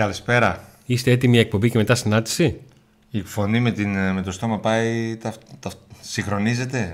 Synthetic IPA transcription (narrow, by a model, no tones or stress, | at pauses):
ɐlispe̞ɾɐ | ist̪eet̪imiek̚po̞mbice̞met̪ɐsinɐnd̪i̥si | ifo̞nimet̪inme̞t̪o̞st̪o̞mɐpɐit̪ɐt̪ɐsiŋxɾo̞nize̞t̪e̞